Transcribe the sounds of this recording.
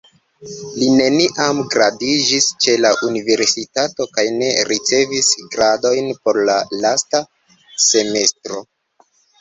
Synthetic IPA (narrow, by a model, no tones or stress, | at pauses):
line̞niʔamɡɾadid͡ʒist͡ʃe̞laʔunive̞ɾsitato̞kajne̞ɾit͡se̞visɡɾado̞jnpo̞ɾlalasta | se̞me̞stɾo̞